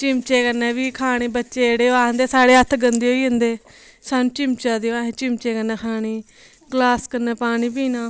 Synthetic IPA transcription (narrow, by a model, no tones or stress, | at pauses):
t͡ʃɪmt͡ʃeːkəɾnɛːbiːkʰaːɽ̃eːbətːʃeːɽeːoːaːɦənd̪eːsaːɽeːət̪ʰɡənd̪eːɦoːiːɦənd̪eː | saːnũːt͡ʃɪmt͡ʃaːd̪eːoãːɦẽːt͡ʃɪmt͡ʃeːkəɾnɛːkʰaːɽ̃iː | ɡlaːskəɾnɛːpaːɽiːpiːnãː